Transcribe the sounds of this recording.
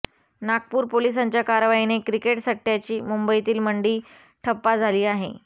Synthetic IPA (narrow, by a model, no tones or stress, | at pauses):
nak̚puːɾpolis̬aɲt͡ɕjakaɾʋainekɾikeʈsəkːjat͡ɕiːmumbəit̪iːlməɳɖiː | ʈʰəpːad͡zʱaliːaɦḛ